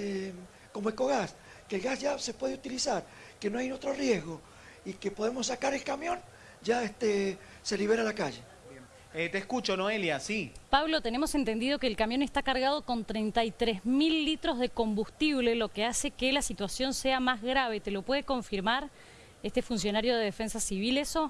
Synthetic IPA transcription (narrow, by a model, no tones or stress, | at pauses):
e | ko̞moeko̞ɣas | kelɣasʝase̞pwe̞ðeut̪ilisaɾkenoajnot̪ɾo̞rjezɣo̞ | ikepo̞ðemo̞sːakaɾe̞lkamjõ̞n | d͡ʒaest̪e | se̞liβe̞ɾalakaʒe̞ | bjen | et̪eːskut͡ʃonoe̞ljasipaβlo̞t̪ene̞mo̞sent̪e̞nd̪ið̞o̞keːlkamjo̞ne̞st̪akaɾɣað̞o̞ko̞nt̪ɾejnt̪ajt̪ɾezmilːit̪ɾo̞zðe̞ko̞mbust̪iβ̞le̞lo̞kease̞kelasit̪wasjo̞nseamazɣɾaβ̞e̞t̪e̞lo̞pwe̞ð̞eko̞ɱfiɾmaɾ | est̪efuns̬jo̞naɾjo̞ð̞e̞ðefe̞nsasiβ̞ileso̞